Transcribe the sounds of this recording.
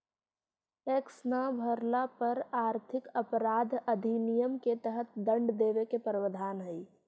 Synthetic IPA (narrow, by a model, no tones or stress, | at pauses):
eksnəbʱəɾlapəɾaːɾt̪ʰɪkəpɾaːd̪ʱəd̪ʱinijəmket̪əɦət̪̚d̪ə̃ɳɖd̪eːʋekepəɾəʋəd̪ʱaːnɦəi